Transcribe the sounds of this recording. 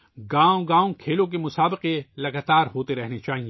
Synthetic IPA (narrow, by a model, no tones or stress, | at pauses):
ɡãːõɡãːõkʰeːlõk̬emʊsaːbɪqelɐɡaːt̪aːɾɦoːt̪eɾɛɦnet͡ʃaːɦie